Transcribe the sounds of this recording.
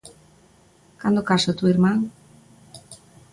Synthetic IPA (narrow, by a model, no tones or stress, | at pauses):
kand̪okasat̪uiɾmãŋ